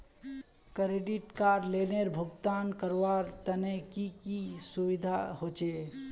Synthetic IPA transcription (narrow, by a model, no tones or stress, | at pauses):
kɾeɖiʈkaɾleneɾbʱuɡt̪ankəɾʋaɾt̪ənekikisuʋid̪ʱaɦot͡ʃe